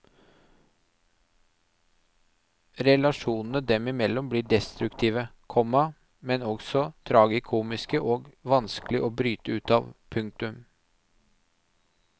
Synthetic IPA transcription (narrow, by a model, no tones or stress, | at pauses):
ɾɛlɑʂuːnn̩əd̪ɛmɪmɛlːɔmbliːɖɛst̪ɾʉkt̪ʰiːʋəkʰɔmɑ | mɛnɔɡsɔt̪ʰɾɑːɡɪkʰuːmɪskəʔoːɡʋɑnsklɪʔoːbɾyːt̪əʉːt̪ɑːʋpʰʉŋk̚t̪ʉm